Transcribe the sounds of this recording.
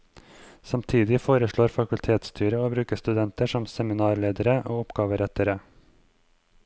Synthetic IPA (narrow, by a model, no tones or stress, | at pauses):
sɑmt̪ʰiːd̪ɪfoːɾəʂɭoːɾfɑkʉlt̪ʰeːt̪st̪ʰyːɾəoːbɾʉːkəst̪ʉd̪ɛnt̪əʂɔmsɛmɪnɑːɾɭeːd̪əɾəʔoːʊpɡɑːʋəɾɛt̪əɾə